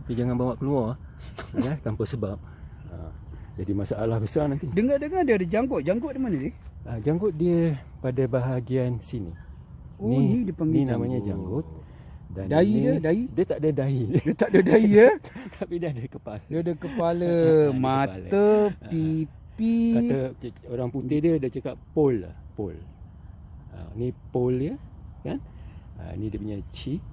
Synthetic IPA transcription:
apid͡ʒaŋanbawaʔkəlua | at̪ampəsəbap̚ | a̰d͡ʒadimasaʔalahbəsarnant̪idəŋadəŋadiəadəd͡ʒaŋɡʊt̪̚d͡ʒaŋɡʊt̪̚dimanədɪʔəd͡ʒaŋɡʊt̪̚diə | padabaɦaɡiansinḭ | oinidiəpəŋɡninamaɲad͡ʒa̰ŋɡʊt̪̚ | dandaiədaidiət̪aʔdədaidt̪aʔdədaiət̪ʰapidiəadəkəpalədidəkəpaləmapalt̪əpi | pikaəoɾaŋput̪ediədat͡ʃakappola̰hpo̰l | ə̰nipoljəkanə̰nidiəpuɲat͡ʃi

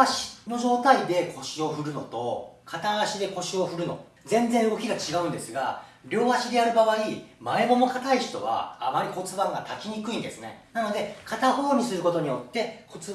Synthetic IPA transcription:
aɕi̥no̞ʑo̞ːt̪aid̪e̞kʰo̞ɕio̞ɸɯ̟ɾɯ̟no̞t̪o̞kʰat̪aaɕid̪e̞ko̞ɕio̞ɸɯ̟ɾɯ̟no̞̰ | d͡zẽ̞nd͡zẽɯɡo̞kʲiɡat͡ɕiɡaɯ̟̃nd̪e̞sɨɡa̰ | ɾʲo̞ːβaɕid̪e̞jaɾɯ̟baβaimae̞mo̞mo̞kat̪aiɕi̥t̪o̞βa̰ːmaɾʲiko̞t͡sɨbãŋɡat̪akʲiɲ̟ikɯ̟ĩnd̪esɨne̞nano̞d̪e̞kʰat̪aɦo̞ːɲ̟isɨɾɯ̟ko̞t̪o̞ɲ̟ijo̞t̪ːe̞kʰo̞t͡sɨ

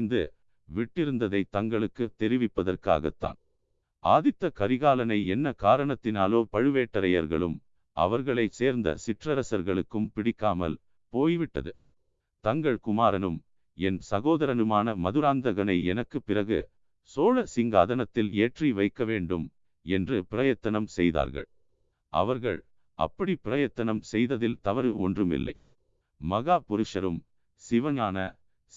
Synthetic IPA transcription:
nd̪ɯ̰ | ʋɪʈːɪɾɯnd̪ɐðɐɪt̪ɐŋɡɐɭɯkːɯt̪ːɛɾɪʋɪpːɐðɐrka̰ːɣɐ̰t̪ːa̰ːn | ʔaːðɪt̪ːɐkɐɾɪɣaːlɐnɐɪɛnːɐkaːɾɐɳɐt̪ːɪnaːloːpɐɻɯʋeːʈːɐɾɐjɐ̰ɾɣɐ̰ɭɯ̰m | ʔɐ̰ʋɐɾɣɐɭɐɪseːɾnd̪ɐ̰sɪʈrɐɾɐsɐɾɣɐɭɯkːɯmpɪɽɪkːaːmɐ̰l | poːjʋɪʈːɐ̰ðɯ | t̪ɐŋɡɐɭkʊmaːɾɐnɯm | ɛnsɐɣoːðɐɾɐnɯmaːnɐmɐðɯɾaːnd̪ɐɣɐnɐɪɛnɐkːɯpːɪrɐɣɯ̰ | soːlɐsɪŋɡa̰ːðɐnɐt̪ːɪleːʈriʋɐɪkːɐʋeːɳɖɯm | ɛndrɯpɪɾɐjɐt̪ːɐnɐmsɛjða̰ːɾɣɐ̰ɭ | ʔɐ̰ʋɐɾɣɐ̰ɭ | ʔɐ̰pːɐɽipɪɾɐjɐt̪ːɐnɐmsɛjðɐðɪlt̪ɐʋɐɾɯɔ̰ndrɯmɪ̰lːɐ̰ɪ | mɐɣaːpʊɾʊʂɐɾɯm | sɪʋɐnaːnɐ

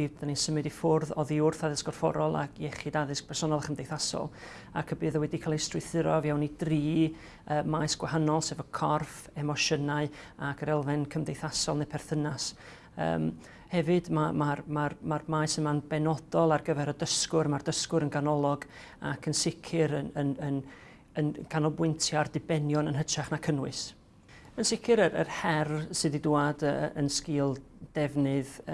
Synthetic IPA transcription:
id̥aninsəmɨdifʊrðɔðiʊrθaðɪsɡ̥ɔrfɔ̰ɾɔlˠa̰kʰjɛχɪdaðɪsk̚pʰɛrsɔnɔlˠaχəmdejθasɔ̰lˠ | akʰəbɨːðəwɛdikʰalˠɪstrɪθɪɾɔvjawnidriː | əːmajsɡ̥wɛɦanɔlˠsɛvəkʰɔrf | ɛmɔʃənaɨakʰəɾɛlˠvɪnkʰəmdejθasɔlˠnepʰɛrθənas | ə̰ːm | hɛvɨdmamarmarmarmaːjsəmanbɛnɔd̥ɔlˠarɡəvɛɾɔdəskʊrmardəskʊɾənkʰanɔlˠɔɡ | a̰kʰənsɪkʰɪɾənənən | ənkʰanɔbwɪntʰjardɪbɛnjɔnənɦətʰaχnakʰənwɨs | ənsɪkʰɪɾəɾərhɛrsɨdiduadə̰nskɪːlˠd̥ɛvnɨð

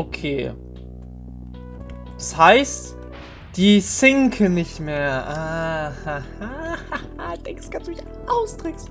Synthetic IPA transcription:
ʔokʰeː | ɛshaɪst | d̥iːsɪŋkʰənɪçtmeːɐʔaːhahahahad̥ɛŋksɡ̥ansd̥umɪç | ʔaʊsd̥ʁɛks

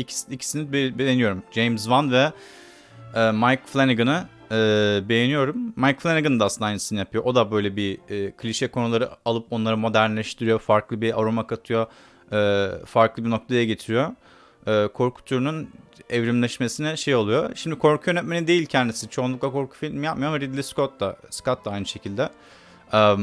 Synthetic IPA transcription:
i̥icʰi̥sinibejenijo̞ɾumd͡ʒejmzvanvɛ | ɛːmajkflʲˠeniɡɯnɯː | be̞jenijo̞ɾumːajkflʲeniɡɯnd̪aːsɯnd̪ajnisinijapʰɯjo̞ʔod̪abø̞jlʲɛbiːkʰlʲiʃɛkʰo̞nulˠaɾɯalˠɯpo̞nlˠaɾamo̞d̪æɾnlʲɛʃt̪ʰiɾijo̞faɾklˠɯbia̰ɾomakʰat̪ʰɯjo̞ | ɛːfaɾklˠɯbiɾno̞k̚t̪ʰajaɟe̞t̪ʰiɾijo̞ | ɛːkʰo̞ɾkʰu̥t̪ʰuɾunynɛvɾimlʲɛʃme̞sinɛʃe̞jo̞lˠujo̞ʃimd̪ikʰo̞ɾkʰujønɛt̪menid̪ejilʲcʰænd̪isit͡ʃʰo̞unˠukvˠakʰo̞ɾkʰu̥filʲmjapmajoɾmɾid̪lʲiskot̪laskat̪d̪ˠaajnɯʃe̞cʰilʲd̪ɛ | ɛ

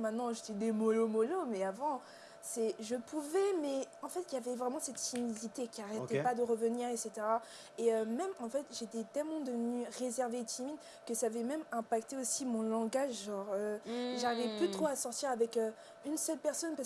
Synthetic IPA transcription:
mɛ̃t̪nɑ̃ʒet̪ɛd̪emɔlomɔlomɛavɑ̃ | sɛʒəpuvɛmɛɑ̃fɛt̪javɛvʁɛmɑ̃sɛt̪fimizit̪ekʲiaʁɛt̪ɛpad̪əʁəvəniʁekset̪eʁa | eømɛmɑ̃fɛt̪ʒet̪ɛt̪ɛlmɑ̃d̪əvənyʁezɛʁvet̪imid̪ | kəsaːvɛmɛmɛ̃pak̚t̪eosimɔ̃lɑ̃ɡaʒʒɑ̃ʁøʒaʁivɛplyt̪χoasɔʁt̪iʁavɛkø | ynsœlpɛʁsɔnpas

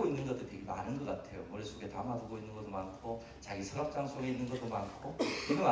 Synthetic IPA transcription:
oinːɯnɡʌt͈oteɡe̞manɯnɡʌk͈atʰe̞jo̰mʌɾesʰoɡe̞tamaduɡoinːɯnɡʌt͈omankʰo | t͡ɕaɡisʰʌɾʌp̚t͡ɕ͈aŋsʰoɡe̞inːɯnɡʌt͈omankʰokɯɡɯma

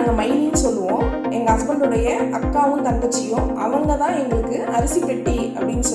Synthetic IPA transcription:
ŋɡɐmɐɪninːɯsɔlːɯʋõː | ɛŋɡɐːsbɐɳɖɾɯɽɐjɐɐkːaːʋɯ̃mt̪ɐŋɡɐt͡ʃːɪjɯ̃mʔɐ̰ʋɐŋɡɐt̪ãːɛŋɡɐɭɯkːɯ | ɐɾɯsipːɛʈːi | ɐ̰pːɐɽɪnːɯsɔ

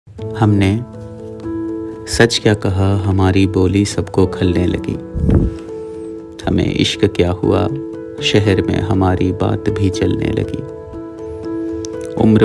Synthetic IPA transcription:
hɐmne | sɐt͡ʃkjaːkɐɦaɦɐmaːɾiboːlisɐbkokʰɐlnelɐ̰ɡḭː | hɐmḛ̃ʔɪ̰ʃkkjaːɦʊ̰a̰ | ʃɛɦɛɾmḛ̃ɦɐmaːɾiba̰ːt̪bʱit͡ʃɐlnḛlɐ̰ɡḭː | ʊ̰mɾ

